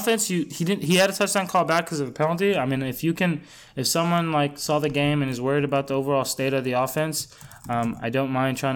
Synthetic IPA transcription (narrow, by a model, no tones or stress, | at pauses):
fɛ̃nsjɨhidɪdⁿn̩ɦiɨɾɨtʰʌt͡ʃʌ̃nkʰɔlˠbæt̚kʰʌzʌvɨpʰɛ̃lˠntiaɪmĩnɨfjɨkɨ̃n | ɨfsʌ̃mwʌ̃nlaɪksɔðɨɡẽɪ̃mɨ̃nɨzwɜ˞iɾɨbaʊt̪̚ðioʊvə˞ɔlˠsteɪɾʌvðiɔfɛ̃ns | ʌ̃ma̰ɪdõʊ̃nmãɪ̃ndtʰɹ̥aɪɪ̃